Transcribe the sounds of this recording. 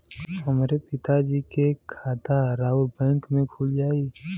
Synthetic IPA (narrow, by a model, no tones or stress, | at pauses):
həmɾepɪt̪ad͡ʒikekʰaːt̪aɾaːʊlbɛ̃ːŋkmẽkʰuːld͡ʒaːiː